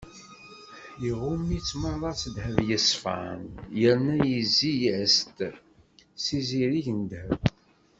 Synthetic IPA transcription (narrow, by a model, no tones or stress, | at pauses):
jiʁumːit͡sːməðˤɑt͡sːəd̪həvjəsfa̰ʕnjəɾnæjəzijʕst̪ | siziɾiʝənd̪həv